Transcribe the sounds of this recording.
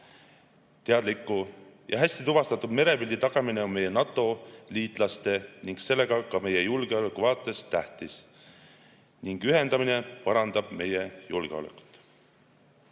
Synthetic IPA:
t̪e̞ɑd̪likːˑujɑɦæsʲt̪it̪uvɑst̪ɑt̪ːud̪me̞ɾe̞pild̪it̪ɑɡ̥ɑmineo̞nme̞jenɑt̪ˑːo̞liːt̪ˑlɑst̪e̞niŋɡ̥se̞lːe̞ɡ̥ɑkɑme̞jejulɡ̥e̞o̞lekːuvɑːt̪ːˑe̞st̪æht̪is | niŋɡ̥yɦe̞nd̪ɑminepɑɾɑnd̪̥ɑb̥me̞jejulɡ̥eo̞̰lɛ̰kˑu̥t̪ːˑ

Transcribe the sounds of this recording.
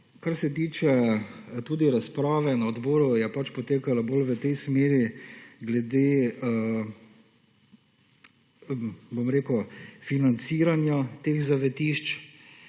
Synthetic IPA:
kaɾsɛt̪iːt͡ʃɛt̪uːd̪iɾaspɾaːʋɛnaɔd̪bɔːɾujɛpat͡ʃpɔt̪eːkalaboːlʋət̪ɛjsmeːɾiɡlɛd̪eː | bomɾeːkufinant̪siːɾanjat̪eːxzaʋɛt̪iːʃt͡ʃ

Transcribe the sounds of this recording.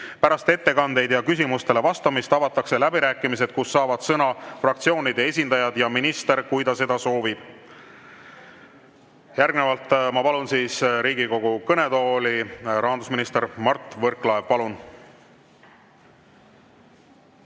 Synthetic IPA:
pæɾɑst̪e̞t̪ːe̞kɑnd̪e̞jd̪jɑkysʲimust̪e̞le̞vɑst̪ɑmist̪ɑvɑt̪ːˑɑkse̞læbiɾæːkˑːimis̬e̞d̪̥̚kusːɑːvɑd̪̥sɤnɑfrɑkt̪sio̞ːnid̪ee̞sʲind̪ɑjɑd̪̥jɑminist̪e̞ɾkujd̪ɑse̞d̪̥ɑso̞ːvib̥ | jæɾɡne̞vɑlt̪ːˑmɑpɑlunsiːsɾiːɡ̥iko̞ɡ̥ukɤne̞d̪o̞ːliɾʔɑɦɑnd̪usminist̪eɾmɑrt̪ːˑvɤrklɑeɡ̥̚pɑlun

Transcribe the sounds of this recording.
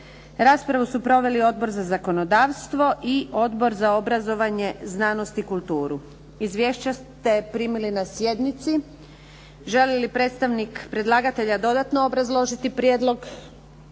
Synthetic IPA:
ɾaːspɾaʋusupɾo̞ʋe̞lio̞d̪̚bo̞ɾzazako̞no̞d̪aːʋst̪ʋo̞ʔio̞d̪bo̞ɾzao̞bɾazo̞ʋaɲe̞znaːno̞st̪ikulˠt̪uːɾu | izʋjeːʃt͡ɕast̪e̞pɾiːmilinasje̞d̪nit̪si | ʒelelipɾe̞ːt̪st̪aʋnikpɾe̞d̪lˠaːɡat̪e̞ʎad̪o̞d̪at̪noobɾazlˠo̞ʒit̪ipɾjeːd̪lˠo̞ɡ

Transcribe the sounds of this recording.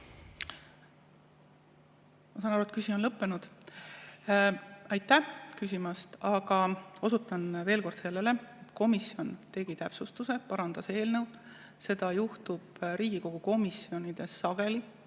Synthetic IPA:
mɑsɑnɑɾult̪kysʲio̞nlɤpːe̞nud̪̥ | ɑjt̪ːˑæhkys̬ʲimɑst̪ɑɡ̥ɑo̞sut̪ːˑɑnve̞ːlko̞rd̪se̞lːele̞et̪ːˑko̞misjo̞nt̪e̞ɡ̥it̪æpsust̪use̞pɑɾɑnd̪̥ɑse̞ːlnɤwd̪ | se̞d̪̥ɑjuht̪ub̥ɾiːɡ̥iko̞ɡ̥uko̞misijo̞nid̪̥e̞sːɑɡ̥e̞li

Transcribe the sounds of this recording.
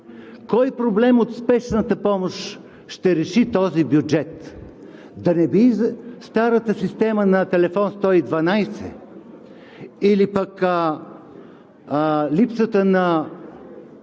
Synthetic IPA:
kɔjpɾoblɛmot̪spɛʃnət̪əpɔmoʃ | ʃt̪ɛɾɛʃit̪ɔzibjud͡ʒɛt̪ | d̪ɐnɛbist̪aɾət̪əsist̪ɛmənɐt̪ɛlɛfɔnst̪ɔid̪vɐnajsɛ̰ | ilipək | lipsət̪ənɐ

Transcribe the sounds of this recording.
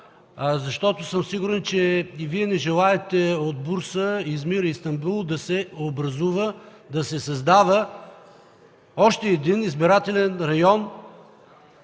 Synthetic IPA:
zɐʃt̪ɔt̪ʊsəmsiɡʊɾɛnt͡ʃɛiviɛnɛʒɛlˠaɛt̪ɛod̪̚buɾsəizmiɾəist̪ɐmbulˠd̪ɐsɛobɾɐzuvə | d̪ɐsɛsɐzd̪avə | ɔʃt̪ɛːd̪inizbiɾat̪ɛlɛnɾɐjɔn

